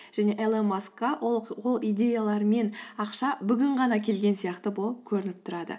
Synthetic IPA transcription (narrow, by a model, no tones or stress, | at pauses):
ʒ̥æne̞ʔelemaskɑwo̞lˠijd̪ʲe̞jalˠɑɾme̞nɑqʃɑbʏɡʲɪɴʁɑnɑkʲʰe̞lɡʲe̞nsijɑqt̪əbo̞lˠəp̚kʲʰɵɾɪnɪp̚t̪ʰʊɾɑd̪ə̰